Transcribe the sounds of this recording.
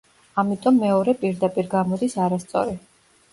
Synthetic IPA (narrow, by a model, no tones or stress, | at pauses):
amit̪ʼɔmːɛɔɾɛpʼiɾd̪apʼiɾɡamɔd̪isaɾast̪sʼɔ̰ɾi